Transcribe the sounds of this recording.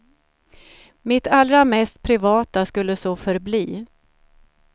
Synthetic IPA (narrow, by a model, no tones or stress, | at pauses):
mɪt̪ʰalːɾamɛst̪̚pʰɾɪvɑːt̪askɵlːəsoːfœɾbliː